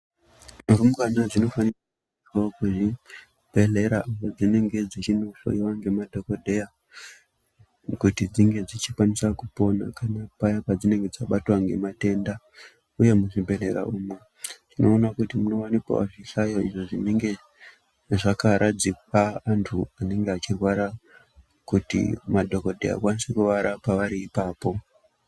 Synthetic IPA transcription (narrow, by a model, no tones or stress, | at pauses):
rumukanad͡zino̞fanirak | iokuʐi | b̥ʱe̞ɮe̞ɾaumod͡zine̞ŋɡe̞d͡zit͡ʃinoɬo̰iwaŋɡe̞madʱo̞kodʱeja | kutid͡ziŋɡe̞d͡zit͡ʃikwanisakupo̞na̰kanapajapad͡zine̞ŋɡe̞d͡zaɓatwaŋɡe̞̰mate̞nda | uje̞muʐibʱe̞ɾe̞ɾa̰uːmwe | tʰino̞̰ːnakutimuno̞wanipa̰a̰ʐiɬajoḭʐo̞ʐineŋɡe̞ | ʐakaɾʔad͡zipaːntʰuane̞ŋɡeat͡ʃirwaɾa | kutḭmadʱo̞ko̞dʱe̞a̰kwanisekuʋaɾapaʋaɾiːpaːpo̞